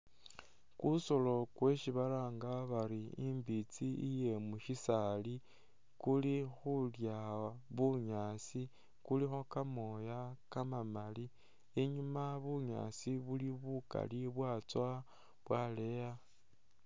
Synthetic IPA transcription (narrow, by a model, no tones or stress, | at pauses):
kuso̞lo̞kwe̞ʃiβalaːŋɡaβaɾiimbit͡siije̞muʃisali | kulixuljaβuɲaːsi | kulixo̞kamo̞jakamamali | eɲumaβuɲa̰siβuliβuka̰liβwat͡swa | βwale̞ja